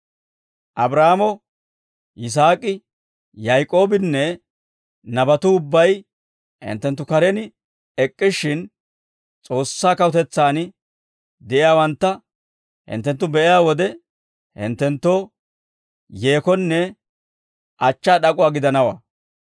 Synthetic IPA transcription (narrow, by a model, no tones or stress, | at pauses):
ʔɐbɾaːmɔ | ʔɪs̬aːkʼɪ | jajkʼo̞ːbɪnːɛ | nɐbɐt̪ʊʊbːɐj | hɪ̰nt̪ːɛnt̪̬ːʊkɐɾɛnɪ | ɛkʼːɪʃɪn | t͡sʼo̞ːsːaːkɐwʊt̪ɛt͡sːaːn | d̪ɛʔɪjaːwɐnt̪ːɐ | hɪ̰nt̪ːɛnt̪ːʊbɛʔɪjaːwɔd̪ɛ | hɪ̰nt̪ːɛnt̪ːo | je̞ːkɔnːɛ | ʔɐt͡ʃːaːɗɐkʼʊwaːɡɪd̪ɐnɐwa